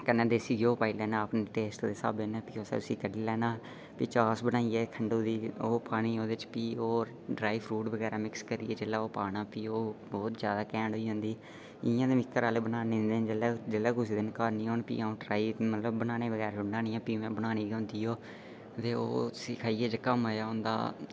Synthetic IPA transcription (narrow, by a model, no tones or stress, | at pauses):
kənːɛ̃ːd̪eːsiːɡoːpaːiːlɛːnãːəpneːʈeːsʈd̪eːsa̰ːbeːnɛ̃ːpiːoːsɛ̰ːt̪ʊsiːkəɖiːlɛːnaː | piːt͡ʃaːsbənaːiɛːkʰəɳɖoːd̪iːoːpaːɽ̃iːoːd̪eɪɪt͡ʃpiːoː | ɖɾaːipʰɾuːʈbəɡɛːɾaːmɪkskəɾiːɛːd͡ʒeːlaːoːpaːɽãːpiːoːbɔːt̪zjaːd̪aːkɛ̃ːɳɖɦoːiːɦʊ̃ːnd̪iː | ɪjãːd̪eːmɪkːəɾaːleːbənaːnẽːnd̪eːd͡ʒeleːd͡ʒəlɛːkʊsiːd̪ɪnkəːɾnĩːɦoːnpḭːaːũːʈɾaːiːmət̪ləbːənaːneːbəɡɛːɾʊɳɖaːnɪĩːãːpiːmɛ̃ːbəñaːniːɡʊ̃ːnd̪iːoː | t̪eːo̰ːt̪ʊsiːkʰaːiːeːd͡ʒəkəmojaːɦʊ̃nd̪a̰ː